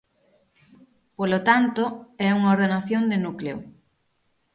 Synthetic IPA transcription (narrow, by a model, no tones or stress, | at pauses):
polot̪ant̪ʊɛuŋaoɾðenaθjond̪ɪnukleo̰